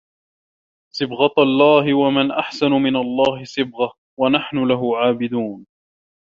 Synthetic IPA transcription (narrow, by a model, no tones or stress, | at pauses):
sˤɨbɣɑt̪lˤːɑːɦɪwamanʔaħsanʊmɪnalˤːɑːhɪsˤɨbɣa | wanaħnʊlaɦʊʕaːbɪd̪uːn